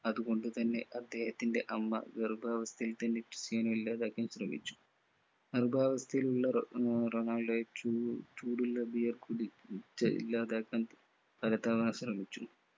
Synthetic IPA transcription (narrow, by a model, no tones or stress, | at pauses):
ɐðuɣo̞ɳɖut̪ɐnːe̞ʔɐd̪ːe̞ːhɐt̪ːinde̞ʔɐmːɐ̰ɡɐrbʱaːʋɐst̪ʰɐjilt̪ɐnːekri̥sjaːnɐmilːaːd̪aːkːɐmɕrɐmḭt͡ɕːu̥ | ɐrbʱaːʋɐst̪ʰɐjiluɭːɐronaːɭɖɐut͡ʃuːɽulːɐbʱijɐrkuɽit͡ɕːɐḭlːaːd̪aːkːɐm | pɐlɐt̪aːʋɐnɕrɐmit͡ɕːu